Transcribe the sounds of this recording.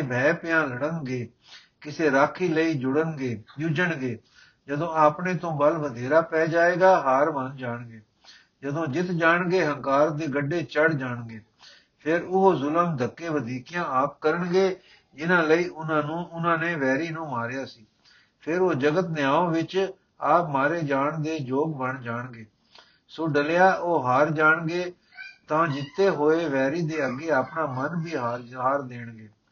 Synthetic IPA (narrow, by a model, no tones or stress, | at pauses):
eːbʱɛːpɪjãːləɽənɡeː | kɪseːɾaːkʰiːləiːd͡ʒʊɽənɡeːd͡ʒʊd͡ʒəɳɡeː | d͡ʒəd̪õːaːpɳeːt̪õːbəlʋəd̪ʱeːɾaːpɛːd͡ʒaːeːɡaːɦaːɾmənd͡ʒaːɳɡeː | d͡ʒəd̪õːd͡ʒɪt̪ʰd͡ʒaːɳɡeːɦəŋkaːɾd̪eːɡəɖːeːt͡ʃəɽd͡ʒaːɳɡeː | pʰɪɾʊɦoːzʊləmd̪ʱəkːeːʋəd̪iːkijãːaːp̚kəɾəɳɡeː | d͡ʒɪnãːləiːʔʊnãːnũːʊnãːneːʋɛːɾiːnũːmaːɾjaːsiː | pʰɪɾoːd͡ʒəɡət̪nɪjaːõːʋɪt͡ʃ | aːpmaːɾeːd͡ʒaːɳd̪eːd͡ʒoːɡbəɳd͡ʒaːɳɡeː | soːɖəlejaːʔoːɦaːɾd͡ʒaːɳɡeː | t̪ãːd͡ʒɪt̪ʰːeːɦoːeːʋɛːɾiːd̪eːəɡeːaːpɳaːmənbʱiːɦaːɾɦaːɾd̪eːɳɡeː